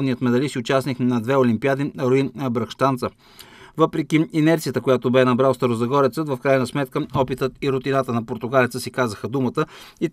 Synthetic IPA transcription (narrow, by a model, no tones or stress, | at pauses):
vnijət̪mɛd̪ɐlisiʊt͡ʃasnixnɐd̪vɛolimpiad̪iɾoibɾɐkʃt̪ant̪sə | vɤpɾɛkʲiinɛɾt̪sijət̪əkojat̪obɛnɐbɾalˠst̪ɐɾʊzɐɡɔɾɛt̪sət̪vəfkɾajnɐsmɛt̪kəɔpit̪ət̪iɾʊt̪inat̪ənɐpoɾt̪ʊɡalɛt̪səsikazəxəd̪umət̪əit̪